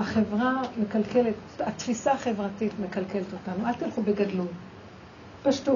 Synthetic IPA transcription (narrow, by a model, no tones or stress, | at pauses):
aχe̞vʁame̞kalkeletat̪fisaχe̞vʁatitme̞kalke̞let̪o̞tanualt̪ilχube̞ɡadlu | paʃtu